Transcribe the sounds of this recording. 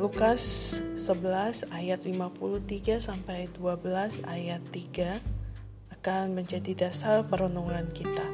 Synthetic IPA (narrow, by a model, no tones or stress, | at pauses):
lukasːəbəlasajat̪limapuluht̪iɡasampajduabəlasajat̪ːiɡaː | kanməɲd͡ʒadidasarpəɾonoŋankit̪a